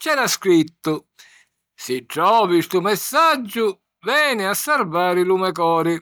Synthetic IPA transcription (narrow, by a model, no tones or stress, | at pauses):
t͡ʃɛd̪askɾit̪ːʊ | sɪʈɾɔːvist̪umɛsːad͡ʒːʊ | vɛːnɪasːɛɾvaːɾɪlumɛk̬ɔːɾɪ